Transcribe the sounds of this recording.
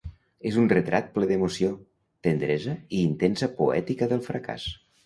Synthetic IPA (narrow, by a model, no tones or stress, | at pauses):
ezunrət̪ɾʔat̪̚pleðemusio | t̪ənd̪ɾɛzəiːnt̪ensəpṵɛ̰t̪ikəðəlˠfɾəka̰s